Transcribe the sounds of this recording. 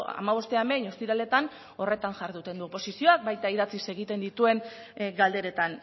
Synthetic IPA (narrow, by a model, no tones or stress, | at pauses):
a̰maβo̞st̪e̞ame̞ɲo̞st̪iɾale̞t̪an | o̞re̞t̪anʝaɾðut̪e̞nd̪uopo̞sisio̞ak̚bajt̪aiðat͡sise̞ɣit̪e̞nd̪it̪ue̞ŋ | ɡald̪e̞ɾe̞t̪an